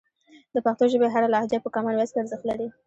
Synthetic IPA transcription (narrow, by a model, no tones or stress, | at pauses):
d̪əpaxt̪oʒəbeɦaɾalaahd͡ʒapəkɑmalwaskeaɾzəxt̪laɽi